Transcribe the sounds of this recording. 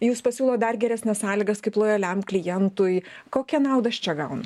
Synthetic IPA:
juːspɐsʲuːlˠoːd̪ɐrɡʲɛɾʲæsʲnʲɛssɑːlʲiːɡɐskɐɪplˠoːjɛlʲɛmklʲɪjɛnt̪ʊjkoːkʲɛnɐʊd̪ɐɐʃt͡ʃʲɛɡɐʊnʊ

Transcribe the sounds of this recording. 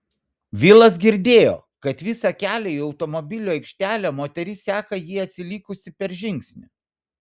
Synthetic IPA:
ʋʲiːlˠɐs̬ɡʲɪɾʲd̪ʲeːjo̰ː | kɐt̪ʋʲɪsɐkʲæːlʲɛiːɒʊt̪ɔmɔbʲɪlʲuːɛɪkʃʲt̪ʲæːlʲæmoːt̪ʲɛɾʲɪsʲæːkɐjiːɐt̪ʲsʲɪlʲiːkʊsʲɪpʲɛɾʒʲɪŋʲksʲnʲɪ

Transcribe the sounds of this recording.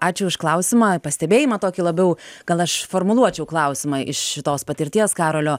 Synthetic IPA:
ɑːt͡ʃʲʊʊʃklˠɐʊsʲɪmɑːpɐsʲt̪ʲɛbʲeːjimɐt̪oːkʲilˠɐbʲɛʊɡ̥ɐlˠɐʃfoːrmʊlˠuɔt͡ʃʲɛʊklˠɐˑʊsʲɪmɑʔɪʃʃʲɪt̪oːspɐt̪ʲɪɾʲt̪ʲiɛskɑːɾolʲoː

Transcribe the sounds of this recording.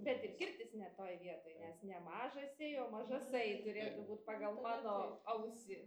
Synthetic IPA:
bʲɛt̪ɪrkʲɪrʲt̪ʲɪsnʲɛt̪oːjʋʲiɛt̪oːjnʲɛsnʲɛmɑːʒɐsʲejoːmɐʒɐsɐɪt̪ʊɾʲeːt̪ʊbuːt̪pɑːɡɐlˠmɑːnoːɐʊsʲɪ

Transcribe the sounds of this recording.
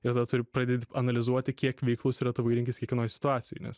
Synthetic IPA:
ɪɾt̪ɐd̪ɐt̪ʊɾʲɪpɾɐd̪ʲeːt̪ʲɪɐnɐlʲɪzuɔt̪ʲɪkʲiɛkʋʲɛɪklˠʊsɪɾɐt̪ʊʋɐɪɾʲɪŋkʲɪskʲiɛkʲʋʲɛnoːjsʲɪ̥t̪ʊɑːtsʲɪjo̰ɪnʲɛ̰s

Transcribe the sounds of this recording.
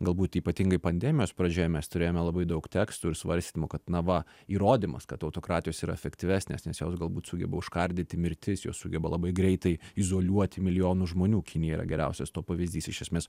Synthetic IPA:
ɡɐlˠbuːt̪iːpɐt̪ʲiŋɡɐɪpɐnʲd̪ʲɛmʲɪjoːspɾɐd͡ʒʲoːjɛmʲɛst̪ʊɾʲeːjoːmʲɛlˠɐbɐɪd̪ɐʊkt̪ʲæːkst̪uɪɾsʋɐ̰ɾʲst̪ʲitnʲɪmʊkɐt̪nɐʋɐ | iːɾoːd̪ʲimɐ̰skɐt̪ɐʊt̪oːkɾɑːtʲɪjoːsiːɾɐɛfʲɛkt̪ʲɪʋʲæːsʲnʲḛːsnʲɛsjoːsɡɐlˠbuːt̪sʊɡʲɛ̰bɐʊʃkɐɾʲd̪ʲɪt̪ʲɪmʲɪɾʲt̪ʲɪsjo̰ːssʊɡʲɛbɐlˠɐbɐɪɡɾʲɛɪt̪ɐɪɪzoːlʲuɔt̪ʲɪmʲɪlʲɪjoːnʊʒmoːnʲuːkʲɪnʲɪjɛiɾɐ̰ɡʲɛɾʲæ̰ʊsʲɛst̪oːpɐʋʲɪzʲd̪ʲiːsɪʃʲɛsʲmʲeːs

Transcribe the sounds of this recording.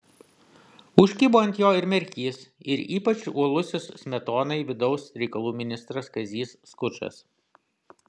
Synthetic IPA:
ʊʃʲkʲiːboːnʲt̪ʲjoːɪɾmʲɛɾʲkʲiːsɪɾiːpɐt͡ʃuɔlˠʊsʲɪsmʲɛt̪oːnɐɪʋʲɪd̪ɒʊsɾʲɛɪkɐlˠuːmʲɪnʲɪst̪ɾɐskɐzʲiːsːkʊt͡ʃɐ̰s

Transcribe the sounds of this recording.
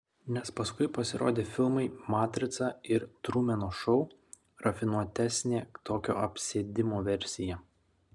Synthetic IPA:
nʲɛspɐskʊɪpɐsʲɪɾʔo̰ːd̪ʲeːfʲɪlˠmɐɪmɑːt̪ʲɾʲɪt̪sɑɪɾt̪ɾuːmʲɛnoːʃɒʊ | ɾɐfʲɪnuɔt̪ʲæːsʲnʲeːt̪oːkʲo̰ːʔɐpʲsʲeːd̪ʲɪmoːʋʲɛɾʲsʲɪjɛ

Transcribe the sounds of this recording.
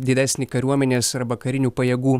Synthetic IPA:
d̪ʲɪd̪ʲæːsʲnʲiːkɐɾʲuɔmʲɛnʲeːsɐɾbɐkɐɾʲɪnʲuːpɐjɛːɡuː

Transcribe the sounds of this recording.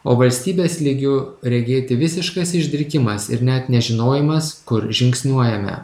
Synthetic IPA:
oːʋɐlʲsʲt̪ʲiːbʲeːslʲɪɡʲʊɾʲɛɡʲeːt̪ʲɪʋʲɪsʲɪʃkɐsɪʒʲd̪ʲɪɾʲkʲɪmɐsɪ̰ɾnʲɛt̪nʲɛʒʲɪnoːjɪmɐskʊɾʒʲɪŋksʲnʲuɔjɛmʲɛ̰

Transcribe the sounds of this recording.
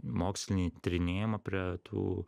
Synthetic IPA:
moːksʲlʲɪnʲit̪ʲɾʲɪnʲeːjɪmɐpʲɾʲiɛt̪ʰṵː

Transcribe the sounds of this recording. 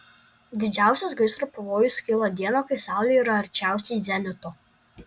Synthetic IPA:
d̪ʲɪd͡ʒʲæˑʊsʲʊsɡɐɪsɾopɐʋoːjʊsʲkʲɪlˠod̪ʲiɛnoːkɐɪsɑˑʊlʲeiɾɐɐɾʲt͡ʃʲæˑʊsʲiːd̪zʲɛnʲʊt̪o

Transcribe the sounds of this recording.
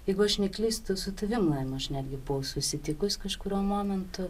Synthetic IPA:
jjɛɪɡʊɐʃnʲɛklʲiːst̪ʊsʊt̪ɐʋʲɪmlˠɐɪmʊɐʃnʲæːd̪ʲɡʲɪbʊʋɐʊsʊsʲɪt̪ʲɪkʊsʲkɐʃkʊɾʲuɔmoːmʲɛnt̪ʊ

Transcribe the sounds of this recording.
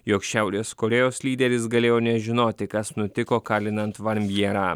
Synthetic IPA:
joːkʃʲæʊɾʲeskoɾʲɛjoːslʲiːd̪ʲɛɾʲɪs̬ɡɐlʲeːjoːnʲɛʒʲɪnoːt̪ʲɪkɐsnʊt̪ʲɪkoːkɑːlʲɪnɐnt̪ʋɐɾʲmʲjiɛɾɑː

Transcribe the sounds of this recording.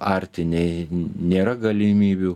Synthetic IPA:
ɑɾʲt̪ʲɪnʲɛɪnʲeːɾɐɡɐlʲɪmʲiːbʲu

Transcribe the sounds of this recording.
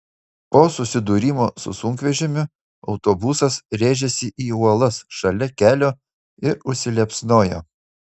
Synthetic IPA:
poːsʊsʲɪd̪uːɾʲiːmoːsʊ̰sʊŋʲkʋʲɛʒʲɪmʲɪ | ɒʊt̪oːbusɐsɾʲeːʒʲɛsʲɪʔiːuɔlˠɐsʃɐlʲɛkʲæːlʲoː | ɪɾʊʃʲsʲɪlʲɛpʲsnoːjo̰ː

